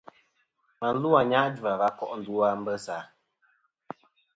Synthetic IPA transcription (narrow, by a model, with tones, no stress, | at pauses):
ma˨n̩˦lu˦a˨ɲa˦ʔd͡ʒu˨a˨va˦kɔ˦ʔn̩˨du˦a˦m̩˦bə˦saː˨˦